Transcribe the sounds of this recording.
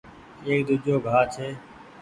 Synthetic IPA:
eːkd̪ʊd͡ʒoːɡʱaːt͡ʃʰeː

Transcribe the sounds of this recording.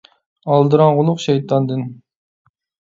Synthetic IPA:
ɑlˠd̪ɨɾɑnʁʊlˠʊqʃɛjt̪ʰɑnd̪ɨn

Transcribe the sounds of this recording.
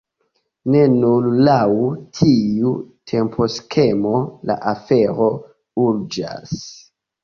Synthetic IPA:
ne̞nullawtʰiutʰe̞mpʰo̞skʰe̞mola̰ʔafe̞ɾo̞ | uɾd͡ʒa̰s

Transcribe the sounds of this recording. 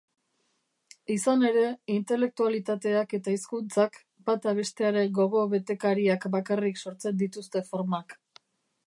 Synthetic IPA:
isane̞ɾe̞int̪e̞le̞k̚t̪ualit̪at̪e̞ake̞t̪aiskunt͡sak | bat̪aβ̞e̞st̪e̞aɾe̞ɡo̞ɣo̞βe̞t̪e̞kaɾiakbakarikso̞ɾt͡se̞nd̪it̪ust̪e̞fo̞ɾmak

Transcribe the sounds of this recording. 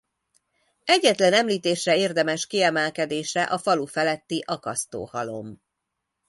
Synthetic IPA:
ɛɟːɛt̪lɛnɛmliːt̪eːʃrɛeːrd̪ɛmɛʃkiɛmɛlkɛd̪eːʃɛʔɒfɒlufɛlɛt̪ːiʔɒkɒst̪o̰ːhɒlo̞̰m

